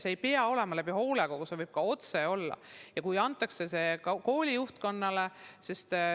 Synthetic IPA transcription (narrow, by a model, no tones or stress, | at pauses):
seejpeɑo̞le̞mɑlæbiɦo̞ːleɡokusevɤjb̥̚kɑo̞t̪se̞o̞lːɑ̰jɑkujɑnt̪ːˑɑksese̞kɑko̞ːlʲijuht̪ko̞nːɑle̞sist̪